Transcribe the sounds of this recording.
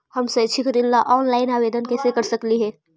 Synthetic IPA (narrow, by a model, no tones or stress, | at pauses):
hɐmset͡ʃʰɪkɾɪlːaʔɔːnlaːɪnaːʋeːd̪ənkesekɐɾsɐkliɦɛː